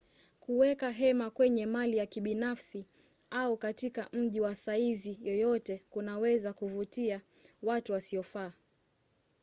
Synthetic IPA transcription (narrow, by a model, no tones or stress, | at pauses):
kuwɛkaɦɛmakwɛɲɛmalijakiɓinafsi | aukatikam̩ʄiwasaizijɔjɔtɛkunawɛzakuvutia | watuwasiɔfaː